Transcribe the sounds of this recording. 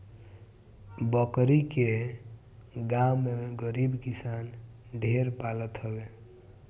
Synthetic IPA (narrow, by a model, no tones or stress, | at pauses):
bəkɾike | ɡamːeɡəɾibkisanɖʱeɾpalət̪ɦəbe